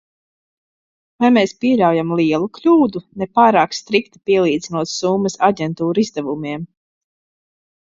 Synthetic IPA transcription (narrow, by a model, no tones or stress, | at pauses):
vajmeːspiɛʎawjamlˠiɛlˠuklʲuːd̪unepaːɾaːkst̪ɾikt̪i̥piɛlˠiːd̪zinuɔt̪sumːɐsaɟʲɛnt̪uːɾizd̪ɛvumiɛm